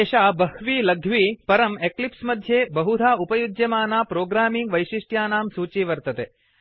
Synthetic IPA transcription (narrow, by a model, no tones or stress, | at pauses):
eʃaːbɐhʋiːlɐɡʱʋiːpɐɾɐmeklipsmɐd̪ʱːjeːbɐɦud̪ʱaːupɐjud̪jɐmaːnaːpɾoːɡɾaːmiŋɡʋɐjʃiʂʈjaːnaːmsuːt͡ʃiːʋɐɾt̪ɐt̪eː